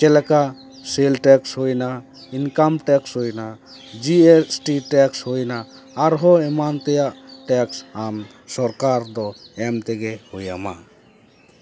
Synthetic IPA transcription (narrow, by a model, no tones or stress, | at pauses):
kɛlɛka | selʈɛkshojna | inkamʈɛkshojna | d͡ʒiesʈiʈɛkshojnaː | ɾɦɔɛmant̪ɛjaʔʈɛksam | sɔɾkaɾd̪ɔɛmt̪ɛɡɛhoja̰ma̰